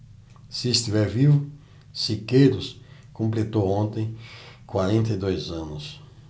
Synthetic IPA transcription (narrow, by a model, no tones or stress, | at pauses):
siːst̪ivɛɾvivʊ | sikejɾʊskõmplet̪owõnt̪ẽj̃kwaɾẽnt̪ɐjd̪ojzɐ̃nʊs